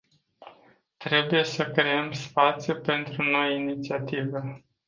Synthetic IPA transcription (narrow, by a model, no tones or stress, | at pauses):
t̪ɾe̞buje̞səkɾe̞emspat̪sʲjupe̞nt̪ɾuno̞jinit̪siat̪ive